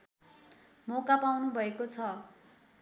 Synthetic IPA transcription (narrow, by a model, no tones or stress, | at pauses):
mokapawnubʱʌekot͡sʰʌ